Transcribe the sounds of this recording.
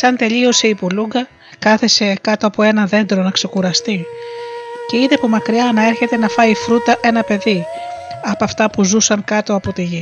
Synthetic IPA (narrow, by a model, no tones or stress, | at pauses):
sɐnt̪e̞ʎio̞seipuluŋɡɐ | kɐθese̞kɐt̪o̞ɐpoe̞nɐðe̞nd̪ɾo̞nɐkse̞kuɾɐst̪i | ce̞iðepomɐkɾiɐnɐe̞ɾçe̞t̪e̞nɐfɐifɾut̪ɐʔe̞nɐpe̞ðiɐpɐft̪ɐpuzusɐŋkɐt̪o̞ɐpo̞t̪iʝi